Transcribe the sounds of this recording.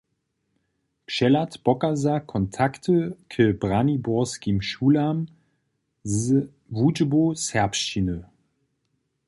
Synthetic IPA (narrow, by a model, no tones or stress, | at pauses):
pʃɛlatpɔkazakʰɔntʰaktʰəkʰəbʁanibɔɐskimʃuːlam | z | vud͡ʒbosɛɐpʃt͡ʃinə